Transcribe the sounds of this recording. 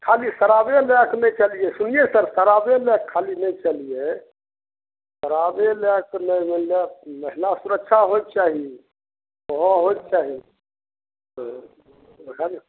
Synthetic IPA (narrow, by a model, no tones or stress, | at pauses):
kʰalisəɾabelɛknet͡ʃalijesunijesəɾsəɾabelɛkʰːalinəit͡ʃalije | səɾabelɛknəjməlaməɦlasuɾəkʃʰaɦojt̪̚t͡ʃaːɦi | əɦɔ̃ɦojt̪t͡ʃaːɦi | kani